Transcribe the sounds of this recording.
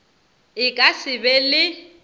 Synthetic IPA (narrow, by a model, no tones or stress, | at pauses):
ɪkʼasɪbɛlɪ